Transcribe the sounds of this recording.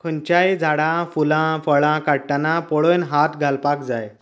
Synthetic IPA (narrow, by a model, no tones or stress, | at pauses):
kʰəɲt͡ɕajd͡zʱaɽãfulãfəɭãkaɽʈanapɔɭojnɦat̪ɡʱalpakd͡zaj